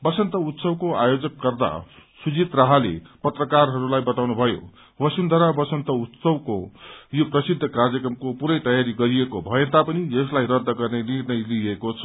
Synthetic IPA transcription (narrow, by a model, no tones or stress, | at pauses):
bʌsʌnt̪ʌut̪sʌwkoajod͡zʌkːʌrd̪a̰sud͡zit̪rʌɦalḛpʌt̪rʌkarɦʌɾulajbʌt̪awnubʱʌjo̰ | bʌsund̪ʱʌɾabʌsʌnt̪ʌut̪sʌwkojoprʌsid̪ʱːʌkard͡zʌkrʌmkopuɾʌjt̪ʌjaɾiɡʌɾiekobʱʌjent̪apʌnid͡zʌslajɾʌd̪ʱːʌɡʌrnenirnʌjliekot͡sʰʌ̥